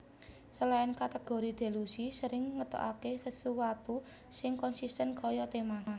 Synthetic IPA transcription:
səlaɪnkat̪eɡ̥oɾid̪̥e̤lusisəɾɪŋŋət̪ɔ̰ʔakesəsuwat̪u | sɪŋkɔnsist̪ənkɔjɔt̪emaɦa

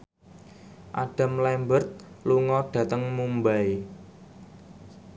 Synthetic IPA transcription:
ʔaɖ̥a̤mlɛmbərt̪̚ | luŋɔɖ̥ä̤t̪əŋmumbaj

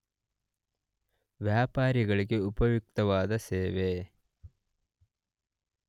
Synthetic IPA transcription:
ʋjaːpaːɾiɡɐɭiɡeupɐʋjuk̚t̪ɐʋaːd̪ɐseːʋeː

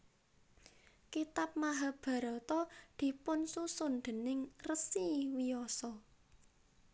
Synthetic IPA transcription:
kit̪ap̚maɦab̥ä̤ɾɔt̪ɔd̪̥i̤pʊnsusonɖ̪̥ə̤nɪŋrəsiwiɔsɔ

